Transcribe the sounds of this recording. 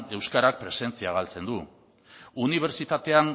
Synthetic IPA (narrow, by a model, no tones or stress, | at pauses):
e̞wskaɾak̚pɾe̞se̞nt͡siaɣ̞alt͡se̞nd̪u | uniβ̞e̞ɾt͡sit̪at̪e̞an